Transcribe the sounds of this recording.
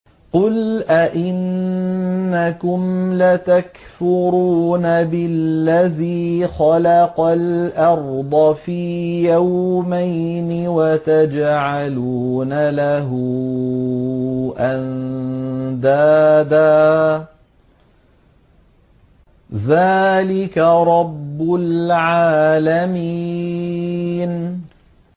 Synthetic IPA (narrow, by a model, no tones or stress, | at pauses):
qʊlʔaʔɪnː | akʊmlat̪akfʊɾuːnabɪlːaðiːxɑlɑqɑlʔɑɾˤd̪ˤɑfiːjawmajnɪwat̪ad͡ʒʕaluːnalaɦʊ | ʔan | d̪aːd̪aː | ðaːlɪkaɾˤɑbːʊlʕaːlami | n